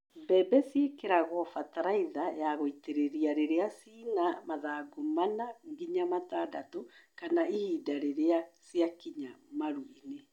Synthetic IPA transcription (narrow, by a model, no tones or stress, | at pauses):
mbɛbɛsjekeɾaɣɔfataɾaiðajaɣoiteɾeɾiaɾeɾeasiːnamaðaːɡomanaŋɡiɲamataːdatokanaihiːdaɾeɾeasjakiɲamaɾwine